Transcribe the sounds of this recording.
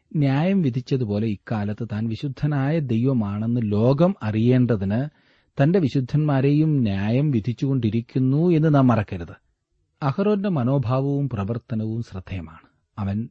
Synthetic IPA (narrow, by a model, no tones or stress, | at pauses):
njaːjɐmʋid̪ʱit͡ɕːɐðupo̞ːle̞ikːaːlɐt̪ːɨt̪aːnʋiɕud̪ʱːɐnaːjɐd̪e̞jʋɐmaːɳe̞nːɨlo̞ːɡɐmɐrije̞ːɳɖɐðinɨ | t̪ɐnde̞ʋiɕud̪ʱːɐnmaːɾe̞jumnjaːjɐmʋid̪ʱit͡ɕːuɣo̞ɳɖiɾikʲːunːue̞nːɨnaːmːɐrɐkːeɾuðɨ | ɐhɐroːndemɐno̞ːbʱaːʋɐʋumprɐʋɐrt̪ɐnɐʋumɕrɨd̪ʱːɐjɐma̰ːɳɨ | ɐʋɐn